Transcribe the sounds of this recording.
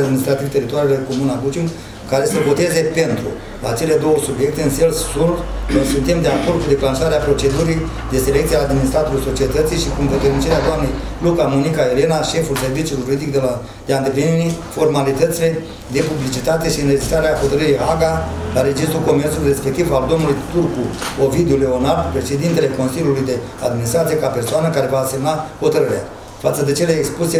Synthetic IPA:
d̪minist̪ɾat̪ivt̪e̞ɾit̪oaɾielekomunaɡut͡ʃin | kaɾe̞səvo̞t̪e̞ze̞pe̞nt̪ɾṵ | laːt͡ʃe̞le̞d̪o̞wəsubje̞k̚t̪e̞ɨnselsːurt̪nojsunt̪e̞md̪e̞ako̞rd̪kud̪e̞klanʃaɾeapɾo̞t͡ʃe̞d̪uɾi | d̪e̞se̞lekt̪sieaːd̪mʲinist̪ɾat̪oɾulso̞t͡ʃie̞t̪ət̪sijʃikumvet̪ermit͡ʃeɾead̪oamne̞jplukamonikaele̞naʃe̞fulse̞rvit͡ʃuluijʒuɾid̪ik̚d̪ela | d̪eaɨnt̪epeniɾifo̞rmalit̪ət̪sile̞ | d̪e̞publit͡ʃit̪at̪e̞ʃiɨned͡ʒist̪ɾaɾeaho̞t̪əɾəɾijaɡalaɾe̞d͡ʒist̪ɾuko̞mert̪sulujre̞spe̞k̚t̪ivald̪o̞mnulujt̪urku | ovid̪uleo̞nard̪pɾe̞ʃe̞d̪int̪e̞le̞ko̞nsilʲjulujd̪e̞ | ad̪mʲinist̪ɾat̪sije̞kape̞rsoanəkaɾe̞vase̞mnaho̞t̪əɾəɾea̰ | fat̪səd̪e̞t͡ʃe̞leekspuse

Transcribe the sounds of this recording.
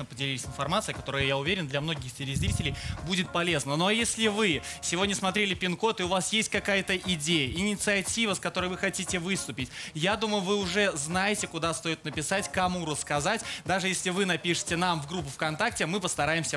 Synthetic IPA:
əpədʲɪlʲiɪsʲɪnfɐrmat̪sɨjəkɐt̪o̞ɾəjəjaʊvʲeɾʲɪnd̪lʲɐmno̞ɡʲɪxtʲɪɾʲɪzʲɾʲitʲɪlʲɪjbudʲɪt̪̚pɐlʲe̞znəno̞jesʲlʲɪvɨsʲɪvodʲnʲəsmɐt̪ɾʲelʲɪpʲɪnko̞t̪ɨʊvasjesʲt̚ʲkɐkajət̪əʔɪdʲejəɪnʲɪt̪sɨɐtʲivəskɐt̪o̞ɾəjvɨxɐtʲitʲɪvɨst̪ʊpʲɪtʲjad̪uməjʊvɨʊʐɛznajɪtʲɪkʊd̪ast̪o̞jɪt̪̚nəpʲɪsatʲkɐmuɾəskɐzatʲd̪aʐɨjesʲlʲɪvɨnɐpʲiʂɨ̥tʲɪnamvɡɾup̬ːʊfkɐnt̪ak̚tʲɪmɨpəst̪ɐɾajɪmsʲə

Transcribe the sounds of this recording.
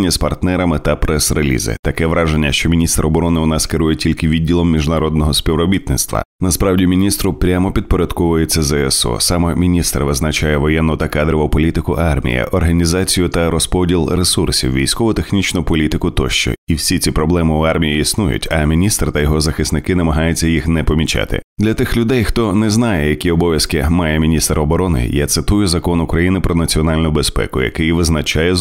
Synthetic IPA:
nʲːɐspɐrt̪nɛɾɐmɪt̪ɐpɾɛsrelʲḭzɪ̰t̪ɐkɛʋɾɑʒenʲːɐʃt͡ʃɔmʲinʲist̪ɾɔbɔɾɔnɪʊnɑskɪɾujɛtʲilʲkɪʋʲid̚ʲːilˠɔmːʲiʒnɐɾɔd̪nɔɦɔsʲpʲiʋɾɔbʲit̪nɪt̪st̪ʋɐ̰nɐspɾɑwdʲimʲinʲist̪ɾʊpɾʲamɔpʲid̪̚pɔɾʲɐd̪kɔʋʊjet͡sʲːɐzɛɛsɔ̰sɑmɔmʲinʲist̪ɾʋɪznɐt͡ʃajɛʋɔjɛnːʊt̪ɐkad̪ɾɪʋɔpɔlʲit̪ɪkʊʔɑrmʲḭjɐ̰ʔɔrɦɐnʲizat͡sʲijʊt̪ɐɾɔspɔdʲilˠɾesursʲḭwʋʲijsʲkɔʋʊt̪exnʲit͡ʃnʊpɔlʲit̪ɪkʊt̪ɔʃt͡ʃɔ̰iwsʲit͡sʲipɾɔblˠɛmɪʊɑrmʲijiisnujʊ̰tʲɐmʲinʲist̪ɾt̪ɐjɔɦɔzɐxɪsnɪkɪnɐmɐɦɑjʊt͡sʲːɐjixnɛpɔmʲit͡ʃa̰t̪ɪ̰d̪lʲɐt̪ɪxlʲʊd̪ɛjxt̪ɔnɛznɑjɛjɐkʲiɔbɔʋʲjɐskɪmɑjɛmʲinʲist̪ɾɔbɔɾɔnɪ̰jat̪sɪt̪ujʊzɐkɔnʊkɾɐjinɪpɾɔnɐt͡sʲiɔnalʲnʊbespɛ̰kʊjɐ̰kɪjʋɪznɐt͡ʃajɛ

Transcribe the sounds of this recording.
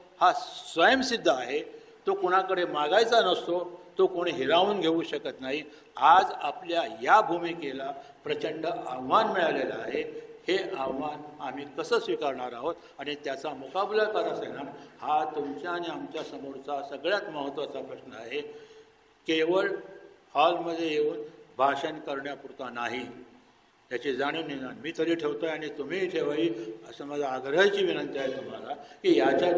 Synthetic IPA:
hasʋəjəmsid̪ʱːəaɦe | t̪okoɽ̃akəɽemaɡajt͡sanəst̪ot̪okoɽ̃iɦiɾauːnɡʱeuːɕəkət̪naɦi | ad͡zapljajabʱumiːkelapɾət͡ɕəɳɖəawʋanmeɭalelaːɦeheaʋʋanam̤iːkəsəːsʋikaɾɳ̃aɾaɦot̪ | aɽ̃it̪jat͡samokabləkəɾasənamhat̪umt͡ɕjaːɽ̃iamt͡ɕjasəmoɾt͡sasəɡɭjat̪məɦət̪ːʋat͡sapɾəsnəaɦe | keʋəɭhalməd̪ʱːjejeuːnbʱaɕənkəɾɳjapuɾt̪anaɦi | t̪jat͡ɕid͡zaɽ̃iːnid͡zanmiːt̪əɾiːʈʰeʋt̪oaɽ̃it̪um̤iːʈʰeʋaiːəsəməd͡zəaɡɾəɦt͡ɕiːʋinənt̪iaɦet̪um̤alakiːjat͡ɕa

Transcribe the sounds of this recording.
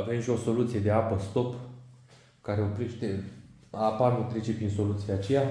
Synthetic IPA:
ave̞mʃio̞so̞lut̪sije̞d̪e̞apəst̪o̞p | kaɾe̞o̞pɾe̞ʃt̪e̞ | apanut̪ɾe̞t͡ʃe̞pɾind̪so̞lut̪sijat͡ʃe̞ja

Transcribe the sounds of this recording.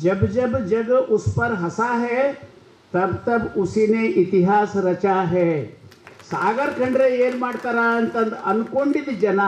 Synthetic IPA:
d͡ʒɐbd͡ʒɐbd͡ʒɐɡʊspɐɾɦɐsaɦɛ | t̪ɐbt̪ɐbʊsineʔɪt̪iɦaːsɾɐt͡ʃaɦɛ | saːɡəɾkɐɳɖɾejeːɾmaːʈt̪ɐɾaːnt̪ɐ̃nd̪ɐnkoɳɖɪd̪d͡ʒɐna

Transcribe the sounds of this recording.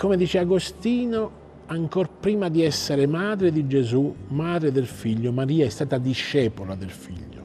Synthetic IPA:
komed̪iːt͡ʃeaɡost̪iːno | aŋkorpɾiːmad̪iɛsːeɾemaːd̪ɾed̪id͡ʒezumːaːd̪ɾed̪elfiʎːomaɾiːaɛst̪aːt̪ad̪iʃːɛːpolad̪elfḭʎːo̰

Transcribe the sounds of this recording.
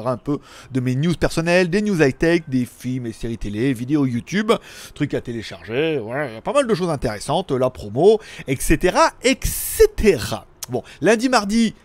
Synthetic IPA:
ʁɛ̃pød̪əmenjuzpɛʁsɔnɛld̪enjuzajt̪ɛk̚d̪efilmeseʁit̪elevid̪eojut̪ybt̪χykat̪eleʃaʁʒevwalailjapamald̪əʃ̬ozɛ̃t̪eʁesɑ̃t̪lapχɔmoɛkset̪eʁaɛkset̪ʰeʁa̰ | bɔ̃lɛ̃d̪imaʁd̪i

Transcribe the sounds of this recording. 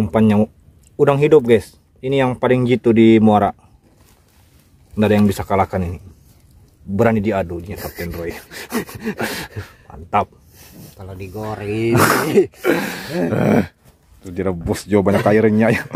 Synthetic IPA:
mpanɲaŋ | udaŋɦidʊp̚ɡajs | inijaŋpalɪŋd͡ʒit̪udimuaɾa | ndadajaŋbisakalakanini | bəɾanidiadud͡ʒiɲasap̚t̪ɛnrɔi | pa̰nt̪ap̚ | kalodiɡoɾi | ə̰h | t̪udiaɾəbusd͡ʒabaɲakaiɾɲaja

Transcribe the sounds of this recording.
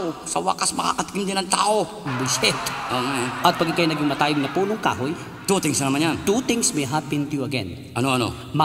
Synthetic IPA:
osɐwa̰ːkɐsmɐka̰ːkɐt̪ɪkɪnd̪ɪnɐŋt̪a̰ːʔo | bɪsɛt̪ʔoŋaʔɐt̪̚pɐɡɪkɐjonɐɡɪŋmɐt̪aːjɪɡ̚nɐpuːlʊŋka̰ːɦoj | t̪ut̪ɪŋsɐnɐmanjant̪ut̪ɪŋsmɛɦapɪnt̪ʊjuɐɡɛ̰n | ʔɐnoʔɐno̰ | mɐ

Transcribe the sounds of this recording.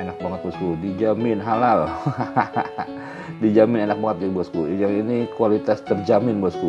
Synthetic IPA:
enak̚baŋət̪̚buaskudid͡ʒamɪnɦalal | did͡ʒamɪnenak̚baŋət̪̚ibuaskud͡ʒainikualit̪ast̪ərd͡ʒamɪnbuasku

